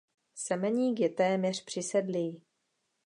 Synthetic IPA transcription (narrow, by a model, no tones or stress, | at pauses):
sɛmɛɲiːkjɛt̪ɛːmɲɛr̝̥pr̥ɪsɛdli